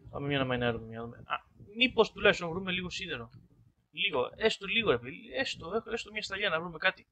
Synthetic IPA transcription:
pɐ̰memɲɐnɐmɐinɾumemɲɐðumḛɐ̰ | mipo̞st̪ulɐkst̪ovɾume̞liɣo̞siðeɾo̞ | liɣo̞est̪oliɣoepeðiiest̪oexest̪omɲɐst̪ɐʎɐnɐvɾume̞kɐt̪i̥

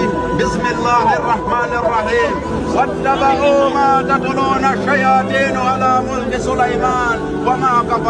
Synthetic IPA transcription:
bɪsmɪlːaːhɑrˤːɑħmaːnɑrˤːɑħiːm | wɐd̪ːabaɦuːmaːt̪at̪luːnaʃajaːt̪iːnʕalaːmʊlk̪ɪsʊlajmaːn | wamaːkab

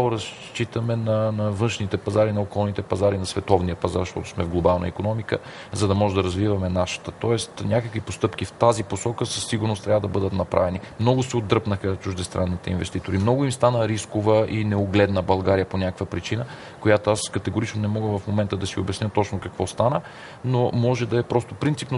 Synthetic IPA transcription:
aoɾɐs | t͡ʃit̪əmɛnɐnɐvɤnʃnit̪ɛpɐzaɾinɐokɔlˠnit̪ɛpɐzaɾinɐsvɛt̪ɔvnijəpɐza̰ɾʃt̪ɔt̪ʊ̥smɛvɡlˠobalˠnə̰ikonɔmikə̰ | zɐd̪ɐmɔʒɛd̪ɐɾɐzvivɐmɛnaʃə̥t̪ət̪ɔɛst̪nʲakəkvipost̪ɤpk̟ift̪aziposɔkəsəsːiɡʊɾnost̪ɾʲavəd̪ɐbɤd̪ət̪nɐpɾa̰vɛnimnɔɡʊsɛod̪ɾɤpnəxət͡ʃʊʒd̪ɛst̪ɾʔanːit̪ɛinvɛst̪it̪oɾimnɔɡʊimst̪anəɾiskʊvəʔinɛoɡlɛd̪nəbɐlˠɡaɾijəponʲakəkvəpɾit͡ʃinə | kojat̪oaskɐt̪ɛɡʊɾit͡ʃnonɛmɔɡəvɐfmomɛnt̪əd̪ɐsio̰bʲɛsnʲət̪ɔt͡ʃnokɐkvɔst̪anə | nomɔʒɛd̪ɐɛpɾɔst̪opɾint̪sipno

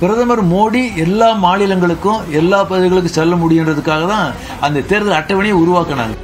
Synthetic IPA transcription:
pɪɾɐðɐmɐɾmoːɽiɛlːaːmaːnɪlɐŋɡɐɭɯkːʊ̃ɛlːaːpɐðɪɣɐɭɯk̬ːɯ̃sɛlːɐmʊɽɪjɪndrɐðɯkːaːɣɐt̪ãː | ɐnd̪ɐt̪eːɾðɐlɐʈːɐʋɐɳɪjɐʊɾʊʋaːkːɐna̰ːŋɡɐ

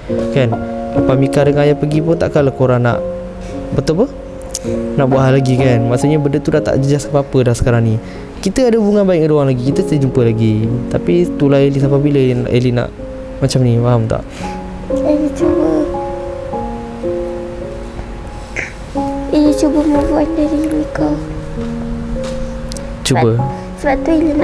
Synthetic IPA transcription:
kanapamikaɾəŋajapəɡip̬ʊnt̪aʔkalakoɾana̰ʔ | bət̪upə | naʔbuaʔɦalaɡikanmaʔsuʔɲabəndət̪udaʔt̪a̰ʔd͡ʒəd͡ʒaskapapədasə̥kaɾaŋni | kit̪əadabuŋabaɪk̚ədowaŋlaɡikit̪əst̪ad͡ʒumpəlaɡit̪apit̪ulaelisapabiləna̰ʔelina̰ʔ | mat͡ʃamnifaɦamt̪a̰ʔ | elit͡ʃubə | elit͡ʃubəməbuat̪̚dadiəŋlika | t͡ʃubə | səbat̪uilin

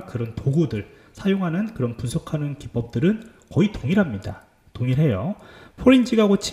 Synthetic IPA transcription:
kɯɾʌntoɡudɯɭ | sʰajoŋɦanɯnkɯɾʌnpunsʰokʰanɯnkip͈ʌp̚t͈ɯɾɯn | kʌitoŋiɾɦamɲida̰ | toŋiɾɦe̞jopʰoɾind͡ʑiɡaɡot͡ɕʰ

